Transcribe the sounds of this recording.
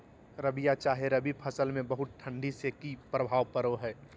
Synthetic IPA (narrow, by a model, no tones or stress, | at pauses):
ɾəbijat͡ʃaːɦeɾɐbʱipʰɐsəlmẽbɐɦʊt̪̚ʈʰɐ̃ɳɖisekipɾəbʱaːʋpəɾoɦɛː